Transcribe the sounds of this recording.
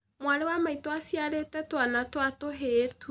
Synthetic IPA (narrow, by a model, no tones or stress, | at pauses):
mwaɾewamaitoasiaɾetɛtwanatoatoɦetʰu